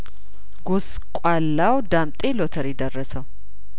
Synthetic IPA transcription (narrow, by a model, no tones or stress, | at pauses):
ɡos | kʷʼalːawd̪amt̪ʼe̞lot̪ʰəɾjɪd̪ərːəsəw